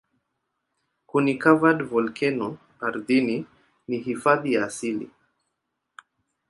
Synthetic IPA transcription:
kunikavadvɔlkɛnɔ | aɾðini | niɦifaðijaːsilḭ

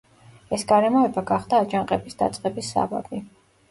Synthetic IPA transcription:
ɛsɡaɾɛmɔɛbaɡaχd̪aːd͡ʒaŋqʼɛbisd̪a̰t̪sʼqʼɛbisːa̰ba̰bi

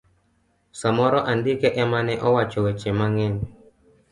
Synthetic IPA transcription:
samɔɾɔʔandikɛʔɛmanɛʔɔwat͡ʃɔwɛt͡ʃɛmaŋɛn

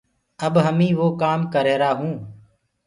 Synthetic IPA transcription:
əbɦəmĩːʋoːkaːmkəɾeːɾaːɦũː

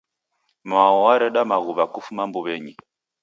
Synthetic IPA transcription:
maɔwaɾɛɗamaɣuβakufumambuβɛɲi

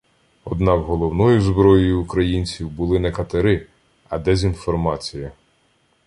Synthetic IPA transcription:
ɔd̪nɑkɦɔlˠɔwnɔjʊzbɾɔjɔjiukɾɐjinʲt͡sʲiwbʊlˠɪnɛkɐt̪eɾɪ | ɐ̰d̪ɛzʲinfɔrmɑt͡sʲiji

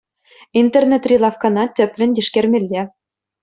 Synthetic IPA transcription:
int̪ernʲet̪rʲilˠɑfkɑnɑtʲɘ̆pʲlʲɘ̆nʲd̪ʲiʃkʲermʲĕlʲːe

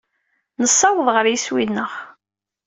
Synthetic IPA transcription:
nəsˤːɑwəðˤʁəɾjiswinːəʁ

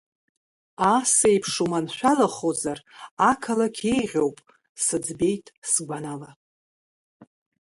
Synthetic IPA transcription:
asejpʰʂumanʃʷᶣalaχozarakʰalakʲʰe̞jʁʲo̞wpʼ | sɨd͡zbe̞jtʼsɡʷanala

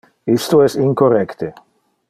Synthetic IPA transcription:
ist̪oɛsiŋkorɛkt̪e

